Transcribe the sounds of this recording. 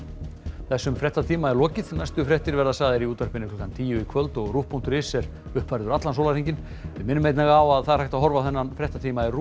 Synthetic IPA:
θɛsːʏmfɾɛht̪at̪ʰiːmaɛɾlɔːcɪðnajst̪ʏfɾɛht̪ɪɾvɛɾðasaːɣðɪɾiuːt̪aɾpɪnːɪkʰlɔkant̪ʰiːjʏikʰvœlt̪ɔɣruhpːun̥t̪ʏɾɪsɛɾ̥ | ʏhpvajɾðʏɾat̪lansowlaɾiɲcɪn | vɪmɪnːmejt̪naɣawaðθaðɾhajht̪aðɦɔɾvaθɛnːanfɾɛht̪at̪ʰiːmaɛru

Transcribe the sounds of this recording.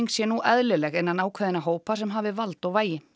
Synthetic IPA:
ŋksjɛnuʔɛðlʏlɛɣejnːanaːwkʰvaðɪnaɦoːwpas̬ɛmɦaːvɪvalt̪ɔɣvaːjɪ

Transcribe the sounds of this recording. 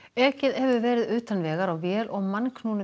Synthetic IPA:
ɛːcɪðhɛvʏvɛːɾɪðʏːt̪anvɛːɣaɾawvjɛːlʔɔɣmankʰnuːnʏ

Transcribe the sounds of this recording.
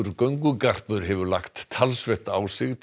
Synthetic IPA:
ɾkœɥŋkʏkar̥pʏɾɦɛvʏla̰kt̪ʰːalsvɛht̪aːwsɪɣt̪

